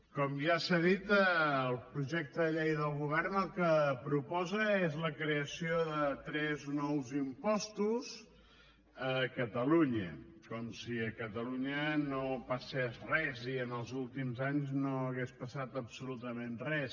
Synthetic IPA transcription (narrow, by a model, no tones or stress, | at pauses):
kɔmʒasəðit̪əːlˠpɾuʒɛk̚t̪əðəʎejðəlˠɣuβɛrnəlˠkəpɾupɔzəezləkɾeəsioðət̪ɾɛznɔwzimpɔst̪uz | əkət̪əluɲəkɔmsiəkət̪əluɲənopəsɛzrɛziənəlˠzulˠt̪imzaɲznoəɣespəsat̪əbsulut̪əmẽnrɛs